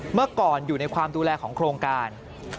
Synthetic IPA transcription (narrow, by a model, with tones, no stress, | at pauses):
mɯ˥˩ɐkɔː˨˩njuː˨˩na˧jkʰwaː˧mduː˧lɛː˧kʰɔː˩˦ŋkʰɾoː˧ŋkaː˧n